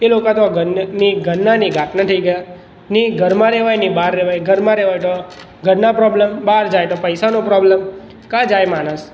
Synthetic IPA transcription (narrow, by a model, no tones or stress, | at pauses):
elokãt̪oɡniɡʱənnːaniɡʱaʈnat̪ʰəiɡəja | niɡʱəɾmãɾɛʋajnibaɾːɛʋajɡʱəɾmãɾɛʋajt̪o | ɡʱəɾnapɾɔbləmbaɾd͡ʒajt̪opəjsanopɾɔbləm | kãd͡ʒajmaɽ̃əs